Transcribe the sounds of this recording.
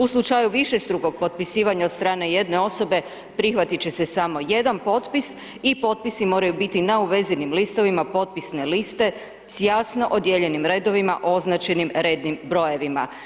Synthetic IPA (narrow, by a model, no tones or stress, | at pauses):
uslˠut͡ʃajuʋiʃe̞st̪ɾuɡo̞ɡ̚po̞t̪̚pisiːʋaɲaot̪st̪ɾaːne̞je̞d̪ne̞o̞so̞be̞ | pɾixʋat̪it͡ɕe̞se̞samo̞je̞d̪anpo̞t̪pis | ipo̞t̪̚pisimo̞ːɾajubit̪inauʋe̞zinimlist̪o̞ʋimapo̞t̪̚pisne̞list̪e̞ | sjaːsno̞ʔod̪je̞ʎe̞nimɾe̞d̪o̞ʋima̰ʔo̞znat͡ʃenimɾed̪nimbɾo̞je̞ʋima̰